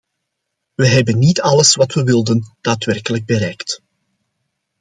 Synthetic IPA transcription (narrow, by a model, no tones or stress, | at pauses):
ʋəɦɛbənːitɑləsʋɑtʋəʋɪlˠdənd̥aːtʋɛrkələɡ̚bəɾɛjkt